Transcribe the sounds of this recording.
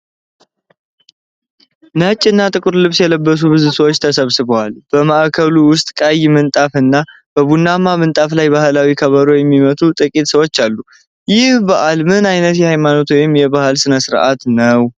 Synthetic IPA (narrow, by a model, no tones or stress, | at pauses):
nət͡ʃʼːɨnːat̪ʼɨkʼʊɾlɨβsjɛləbːəs̬uβɨzusəwot͡ʃːt̪ʰəsəβsɨβəwalb̥əmaʔkʰəluwʊst̪ʼkʼajmɨnt̪ʼafɨnːa | b̥əβunːamamɨnt̪ʼaflajbahlawikʰəβəɾo̞jɛmːimət̪ʼut̪ʼɨkʼit̪səwo̞t͡ʃːalːu | jɪhbəʔalmɨnajnət̪jɛhajmano̞t̪ʰuwɔjɪmjɛbahɨlsɨnəsɨɾʔa̰t̪nəw